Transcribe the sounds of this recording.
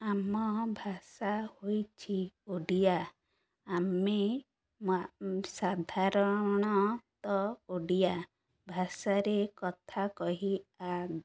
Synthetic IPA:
amɔbʱasahojt͡ʃʰioɖijaː | me | sad̪ʱaɾɔɽ̃ɔt̪ɔoɖija | bʱasaɾekɔt̪ʰakɔɦia

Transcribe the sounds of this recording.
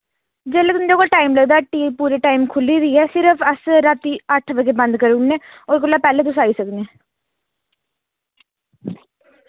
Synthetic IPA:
d͡ʒeːlːek̪ʊnd̪ekoːlʈaːɪmləɡd̪aːʈiːpuːɾeʈaːɪmkʰʊlːiɾiːɦɛːsɪɾəfʰəsɾaːt̪iəʈʰʋəɡebə̃nd̪kəɾunːẽːoːɾkolːaːpɛːlet̪ʊsaːisəknẽː

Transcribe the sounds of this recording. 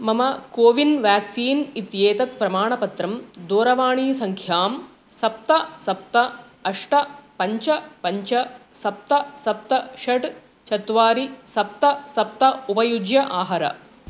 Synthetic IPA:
mɐmɐkoːʋinʋaːksiːnit̪jeːt̪ɐt̪̚pɾɐmaːɳɐpɐt̪ɾɐmd̪oːɾɐʋaːɳiːsɐŋkʰjaːm | sɐp̚t̪ɐsɐp̚t̪ɐ | ɐʂʈɐpɐɲt͡ʃɐpɐɲt͡ʃɐsɐp̚t̪ɐsɐp̚t̪ɐʃɐʈ | t͡ʃɐt̪ʋaːɾisɐp̚t̪ɐsɐp̚t̪ɐupɐjud͡ʒjɐʔaːɦɐɾɐ̰

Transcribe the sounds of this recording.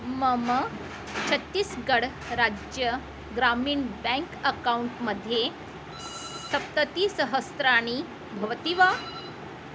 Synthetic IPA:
məmə | t͡ɕʰət̪ːiːsɡəɽ | ɾad͡ʑjə | ɡɾamiːɳbɛ̃ŋkəkauɳʈməd̪ʱːje | t̪ʰəp̚t̪ət̪iːsəɦəst̪ɾaɽ̃i | bʱəʋt̪iʋa

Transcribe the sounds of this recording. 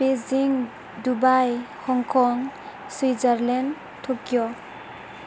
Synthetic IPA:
beziŋ | dubajhɔŋkʰɔŋ | swizaɾlɛn | tʰokijɔ

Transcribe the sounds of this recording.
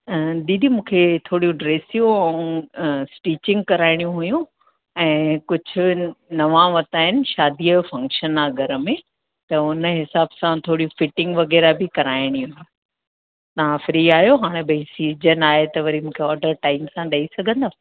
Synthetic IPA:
ɗiːd̪imũːkʰet̪ʰoːɽijũɖɾeːsijũɐũsʈiːt͡ɕɪ̃ŋɡ̚kɐɾaːɪɽ̃jũɦʊjũ | ɛ̃ːkʊd͡ʑʱʊ̆nɐʋãʋɐt̪aːɦɪnɪ̆ʃaːd̪ʱiːjfɐ̃ŋkʃənaɡʱɐɾə̆mẽ | t̪ɐʊnəɦɪsaːbsãt̪ʰoːɽijũfɪʈɪ̃ŋɡʋɐɣɛːɾabʱɪkɐɾaːɪɽ̃iuũ | t̪ɐʋ̤ãfɾiːaːɦjoɦaːɽ̃ebʱɐĩsiːd͡ʑənaːɦet̪ɐʋɐɾimũːkʰeɔːɾɖəɾʈaːɪmsãɗɐisɐɡʱə̃nd̪aː

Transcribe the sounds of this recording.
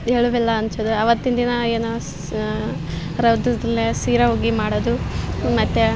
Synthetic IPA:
eɭuʋɛlːɐːnt͡ʃod̪uɐʋɐt̪ːind̪inɐeːno | ɾɐwd̪ɐd̪ɐlːesiːɾɐɦoːɡimaːɽod̪umɐt̪ːe

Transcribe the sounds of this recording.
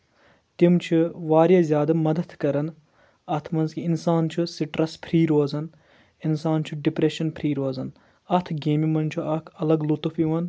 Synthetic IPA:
t̪imt͡ʃʰiʋaːɾjazʲjaːd̪ɐmɐd̪ɐt̪kɐɾɐn | ɐt̪ʰmɐnzkiinsaːnt͡ʃʰusiʈɾɐspʰɾiːɾoːzɐn | insaːnt͡ʃʰuɖipɾeʃɐnpʰɾiːɾoːzɐn | ɐt̪ʰɡeːmimɐnt͡ʃʰuɐkʰɐlɐɡlut̪ufiʋɐn

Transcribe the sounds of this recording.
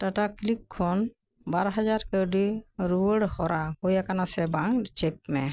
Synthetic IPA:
ʈaʈaklikʰːɔn | baɾɦad͡ʒaɾkəɾɖiɾuwəɽhɔɾahojakanasɛbaŋt͡ʃek̚mɛ

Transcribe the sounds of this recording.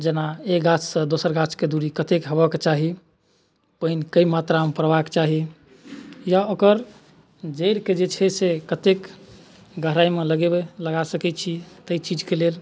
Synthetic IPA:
d͡ʒenaeɡat͡ʃʰsə̃d̪osəɾɡat͡ʃʰked̪uɾikət̪ekɦəbəket͡ʃaɦi | pəɦinkəimat̪ɾamepəɾbaket͡ʃaɦi | jaokəɾ | d͡ʒəɪɾked͡ʒet͡ʃʰɛsekət̪ek | ɡəɦɾaimeləɡebeləɡasəkɛt̪t͡ʃʰit̪əit͡ʃid͡ʒkelel

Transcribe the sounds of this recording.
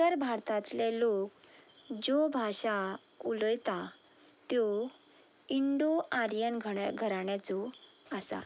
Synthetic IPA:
əɾbʱaɾt̪ãt̪lɛlokd͡ʑɔbʱaɕa | uləjt̪a | t̪jɔ | iɳɖuaɾjənɡʱəɡʱəɾaɳjat͡sɔasa̰

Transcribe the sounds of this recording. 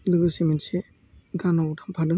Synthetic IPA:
lɯɡɯsimense | ɡanɔwtʰampʰadɯŋ

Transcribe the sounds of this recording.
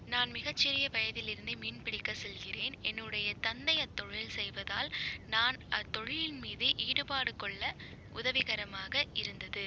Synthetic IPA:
naːnmɪɣɐt͡ʃːɪɾɪjɐʋɐjɐðɪlɪɾɯnd̪ɯmiːnpɪɽɪkːɐsɛlɣɪreːnɛnːɯɽɐjɐt̪ɐnd̪ɐjɐt̪ːɔɻɪlsɛjʋɐðaːlnaːnɐt̪ːɔɻɪlɪnmiːðɯʔiːɽɯbaːɽɯkɔɭːɐ | ʔʊðɐʋɪɣɐɾɐmaːɣɐɪɾɯnd̪ɐðɯ

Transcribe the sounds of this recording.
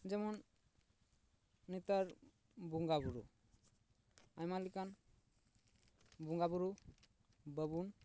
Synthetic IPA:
d͡ʒɛmɔn | it̪aɾ | buŋɡabuɾṵ | ajmalikan | buŋɡabuɾu | bəbun

